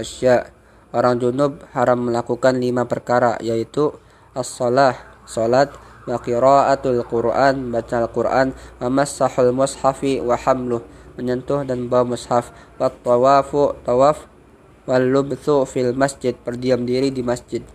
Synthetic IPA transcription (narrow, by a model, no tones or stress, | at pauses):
aʃaʔ | ʔoɾaŋd͡ʒunʊb̚haɾamːəlakukanlimapərkaɾa̰jait̪u | ʔasːɔlahsolat̪̚waqiɾaʔat̪alkʊɾʔanəbat͡ʃaalkurʔa̰nwamasːaħalmʊshafiwaħamlʊhməɲɔnt̪ʊhdanəbawamʊshaf | wat̪ːawafʊʔt̪awaf | walːʊbθufialmasd͡ʒɪd̪̚pərdiamdiɾidimasd͡ʒɪd̪̚